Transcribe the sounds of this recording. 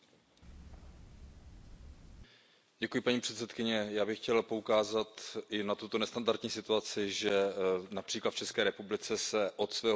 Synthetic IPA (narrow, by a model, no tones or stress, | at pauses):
ɟɛkujɪpaɲiːpr̥ɛt̪sɛt̪kɪɲɛjaːbɪxcɛlpo̞ukaːzat̪ʔɪnat̪ut̪o̞nɛst̪andaɾt̪ɲiːsɪt̪uat͡sɪʒɛnapr̥iːklat̪ft͡ʃɛskɛːɾɛpublɪt͡sɛsɛʔot̪svɛːɦ